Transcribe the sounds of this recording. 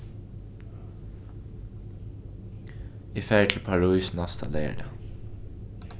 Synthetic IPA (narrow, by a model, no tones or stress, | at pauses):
iːfæːəʈʰl̩pʰɑɹusn̩ɑst̪ʰɑ̰leːə̰ɖə